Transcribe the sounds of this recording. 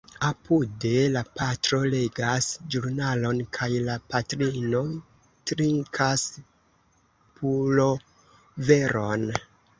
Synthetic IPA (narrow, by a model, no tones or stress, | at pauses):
apʰude̞lapatɾo̞leɡasd͡ʒuɾnalo̞nkʰajlapatɾino̞ | tɾiŋkʰas | pʰulo̞ | ve̞ɾo̞n